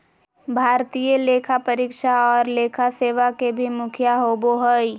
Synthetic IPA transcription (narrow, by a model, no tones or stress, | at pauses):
bʱaːɾt̪ijəleːkʰapəɾikʃaɔːɾleːkʰaseːʋakebʱimʊkʰjaɦoːboɦəi